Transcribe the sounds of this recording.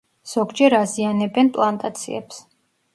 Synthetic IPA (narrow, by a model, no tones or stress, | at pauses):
z̥ɔɡd͡ʒɛɾazianɛbɛnpʼlˠant̪ʼat̪sʰḭɛ̰ps